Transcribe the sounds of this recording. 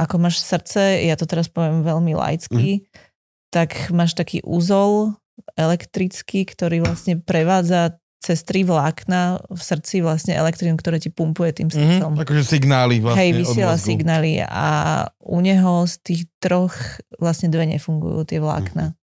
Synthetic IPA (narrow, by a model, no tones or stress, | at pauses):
ʔakɔmaːʃsr̩t͡sɛjat̪ɔt̪ɛɾaspɔʋɪɛmʋɛʎmila̰jt͡ski | t̪akmaːʃt̪akḭːʔṵzɔl | ɛlɛkt̪ɾit͡skikt̪ɔɾiːʋlasɲɛpɾɛʋaːd͡za | t͡sɛst̪ɾiʋlaːknafsr̩t͡siʋlasɲɛɛ̰lɛkt̪ɾinmkt̪ɔɾɛːcipumpujɛt̪ḭːmsɔmakɔʒɛsiɡnaːliʋlaɦɛjʋiɪɛlasiɡnaːlia̰uɲɛɦɔst̪iːxd̪̥ɾɔxʋlasɲɛd̪ʋɛɲɛ̰fuŋɡṵjṵːt̪ɪɛʋla̰ːkna